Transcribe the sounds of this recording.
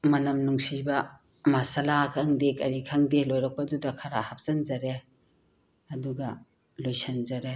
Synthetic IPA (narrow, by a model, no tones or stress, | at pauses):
mɐnɐmnuŋsibɐ | mɐsɐlakʰɐŋdekɐɾikʰaŋdelojɾɐk̚pɐdudɐkʰɐɾahap̚zɐnd͡ʒɐɾe | ɐduɡɐ | lojsɐnzɐɾe